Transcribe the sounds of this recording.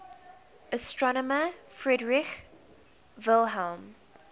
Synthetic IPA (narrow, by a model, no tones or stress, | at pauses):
ʔəstɹɔnɔməfɹɛdɹɪx | vɪlˠɦɛlˠm